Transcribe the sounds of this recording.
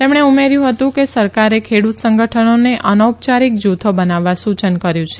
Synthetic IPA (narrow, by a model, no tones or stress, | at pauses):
t̪emɳ̃eumeɾjũɦət̪ũkesəɾkaɾekʰeɽut̪səŋɡəʈʰənoneʔənəwp̚t͡ʃaɾik̚d͡ʒut̪ʰobənaʋːasut͡ʃənkəɾjũt͡ʃʰe̥